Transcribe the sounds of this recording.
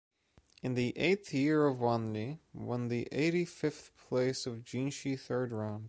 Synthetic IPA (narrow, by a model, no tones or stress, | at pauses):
ɨ̃nðiʔeɪt̪θjɪɹʌvwɑ̃ndiwʌ̃nðiʔḛɪɾifɪfθpʰl̥eɪsʌvd͡ʒĩnʃiθɜ˞dɹãʊ̃nd̥